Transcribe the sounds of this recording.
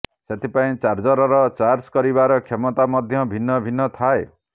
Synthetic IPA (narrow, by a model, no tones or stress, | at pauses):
set̪ʰipaĩt͡ʃaɾd͡ʒɔɾɔɾɔt͡ʃaɾskɔɾibaɾɔkʰemɔt̪amɔd̪ʱjɔbʱinːɔbʱinːɔt̪ʰae